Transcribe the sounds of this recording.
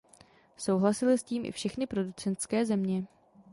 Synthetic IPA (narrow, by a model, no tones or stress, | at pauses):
so̞wɦlasɪlɪsciːmʔɪ̰fʃɛxnɪpɾo̞dut͡sɛnt̪skɛːzɛmɲɛ